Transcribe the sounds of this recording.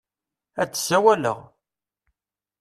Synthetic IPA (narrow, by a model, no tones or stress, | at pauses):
æt͡sːsːæwælə̰ʁ